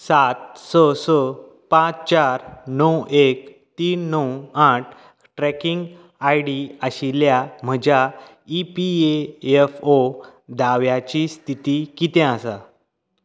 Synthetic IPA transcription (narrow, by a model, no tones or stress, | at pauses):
sat̪̚səsə | pãt͡st͡ɕaɾnəwek̚ | t̪iːnːəwaʈ̚ʰ | ʈɾɛkiŋɡ | ajɽiəɕiljam̤əd͡ʑa | ipieefod̪aʋjat͡ɕist̪ʰit̪ikit̪ɛ̃asa